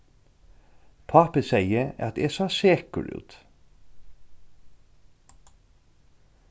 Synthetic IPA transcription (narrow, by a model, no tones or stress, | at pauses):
pʰɑːpəsæɪəɑt̪̚eːsɑːseːkʉ̰lʉ̰ːt̪